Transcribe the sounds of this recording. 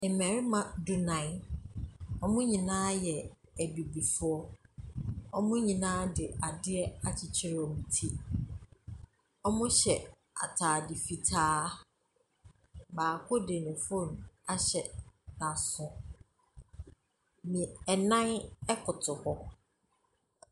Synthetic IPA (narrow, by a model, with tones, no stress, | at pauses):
ɪ˨mɛ̃˨ɾɪ˦mã˨du˦nã˨n | ɔ˦mʊ̃˦ɲĩ˨nãː˦jɛ˨æ˨bi˨bi˨fʊ˦ɔ˦ | ɔ˦mʊ̃˦ɲĩ˨nãː˦dɪ˨a˨dɪ˦ɛ˦a˨t͡ɕʰɪ˨t͡ɕʰɪ˦ɾɪ˨˦ɔ˨mĩ˨tʰi˦ | ɔ˦mʊ̃˦ɕɛ˨ | a̰˨tʰaː˨dɪ˨fi˨tʰaː˦ | baː˨kʰʊ˦de˨nɪ̃˨fõ˦˨n˨a˨ɕɛ˨nã˨sʊ̃˨ | mĩ˨ɛ˨nã˦nɛ˦kʰʊ˨tʰʊ˨hɔ˦